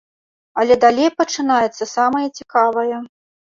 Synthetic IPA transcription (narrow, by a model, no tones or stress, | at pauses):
ɐlʲɛd̪alʲejpɐt͡ʂɨnajɛt̪sːɐsamɐjɐt͡sʲikavɐjɐ